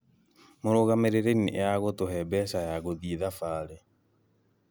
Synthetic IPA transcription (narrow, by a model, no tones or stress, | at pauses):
moɾoɣameɾeɾeniʔaɣotoɦɛbɛsajaɣoðieðafaːɾe